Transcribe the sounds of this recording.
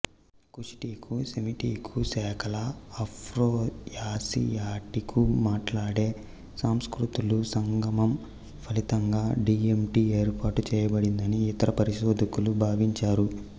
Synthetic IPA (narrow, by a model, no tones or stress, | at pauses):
kuʂi̥ʈiːkʰusemiʈiːkʰusɛːkʰɐlɐːpʰɾoːjaːsḭjaːʈikʰumaːʈlaːɽe̞ː | saːmskɾut̪ulusɐŋɡɐmɐm | pʰɐlit̪ɐŋɡaːɖiːemʈiːe̞ːɾpʰaːʈut͡ʃɛːjɐbɐɽind̪ɐniːt̪ɐɾɐpɐɾiʃoːd̪ʱikulubʱaːʋiɲt͡ʃaːɾu